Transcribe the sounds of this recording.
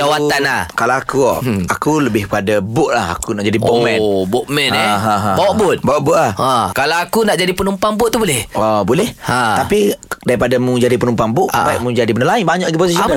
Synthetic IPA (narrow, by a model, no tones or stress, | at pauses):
d͡ʒawat̪anlakalaakṵakuləbɪhbəadabʊʔ̪̚laha̰kunaʔd͡ʒadibuʔmɛ̃nbɔʔmɛnaɦãɦbawaʔbʊt̪̚bawaʔbʊʔ̪lahakalaakunaʔd͡ʒadipənumpaŋbʊt̪ːubolɛhɔbolɛhat̪apidaɾipadamũd͡ʒadipənũmpaŋbʊʔsapaiʔmũd͡ʒadibənəlainbaɲaʔaɡiposisik